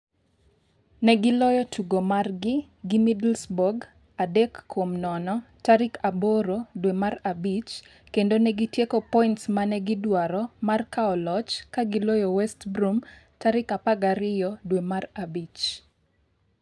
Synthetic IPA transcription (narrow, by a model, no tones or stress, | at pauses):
nɛɡɪlɔjɔtʰuɡomarɡɪ | ɡɪmidlsbɔɡ | adɛkʰːwomnɔnɔtaɾɪkʰaboɾodwemarabit͡ʃ | kendonɛɡitjekɔpɔintsmanɛɡɪdwaɾɔmarkaɔlɔt͡ʃkaɡɪlojɔwɛstbɾum | taɾɪkapaɡaɾɪjɔdwemarabit͡ʃ